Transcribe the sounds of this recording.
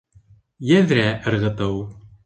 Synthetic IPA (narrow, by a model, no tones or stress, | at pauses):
jɘðɾæʔɘ̆ɾʁɤ̆t̪ɤw